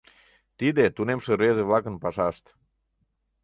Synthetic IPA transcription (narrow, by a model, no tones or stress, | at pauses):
t̪id̪et̪unemʃəɾezeβlɑkənpɑʃɑʃt̪